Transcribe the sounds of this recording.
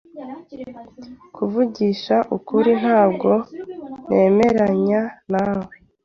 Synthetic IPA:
kʰuvuɟiːʃaʔukuɾin̥haːbɡo̞ne̞ːme̞ɾaɲanaːwe

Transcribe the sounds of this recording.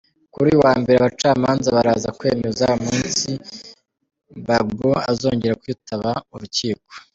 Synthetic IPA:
kuɾiuwaːmbe̞ɾeaβat͡ʃaːmaːnzaβaɾaːzakwe̞̰ːme̞zaomuːnssi | baɡboa̰zo̞ːɲɟe̞ɾakujutʰaβauɾuciːko

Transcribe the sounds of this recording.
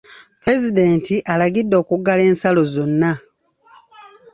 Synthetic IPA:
pɾe̞zide̞ːntiʔalaɡidːo̞ːkuɡːale̞ːnsalo̞zo̞nːa

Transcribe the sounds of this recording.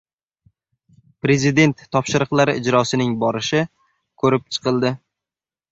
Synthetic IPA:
pɾe̞zɪd̪e̞nt̪ʰːɒpʃɪɾɨqlˠaɾɪʔɪd͡ʒɾɒsɪnɪŋbɒɾɪʃɪ | kʰɵɾɪp̚t͡ʃʰɨ̥qʰɨlˠd̪ɪ

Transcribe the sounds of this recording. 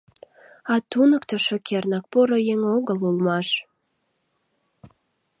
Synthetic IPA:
ɑt̪unəkt̪ə̆ʃokʰernɑk̚poɾojeŋoɣəlulmɑʃ

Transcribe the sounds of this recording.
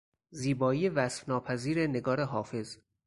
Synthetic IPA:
ziːbɒːiːjevæsfnɒːpʰæziːɾene̞ɡɒːɾeɦɒːfe̞z

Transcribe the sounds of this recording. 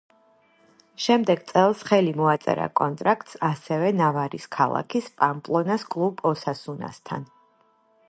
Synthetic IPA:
ʃɛmd̪ɛɡ̚t̪sʼɛlˠsχɛlimɔat̪sʼɛ̰ɾa̰kʼɔnt̪ʼɾakʰt̪ʼsasɛvɛnavaɾiskʰalˠa̰kʰispʼampʼlˠɔnaskʼlˠupʼɔsasuna̰st̪ʰa̰n

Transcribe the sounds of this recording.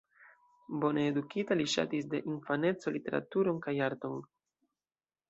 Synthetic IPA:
bo̞needukitaliʃa̰tis̬de̞ʔinfane̞t͡so̞lite̞ɾa̰tuɾo̞nkajaɾto̞n

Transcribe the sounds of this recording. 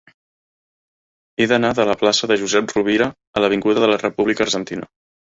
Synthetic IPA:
eðənaðələplasəðəʒuzɛp̚ruβ̞iɾəː | ləβ̞iŋɡuðəðələrəpuβlikəɾʒənt̪inə̰

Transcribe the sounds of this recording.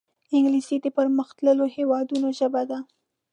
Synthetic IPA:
ɪŋɡlisid̪əpəɾməxt̪ləlohewɑd̪unoʒəbad̪a

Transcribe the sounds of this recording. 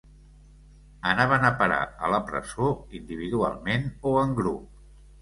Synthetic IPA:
ənaβənəpəɾa̰ə̰ləpɾə̰zoind̪iβ̞iðua̰lˠmenoəŋɡɾup̚

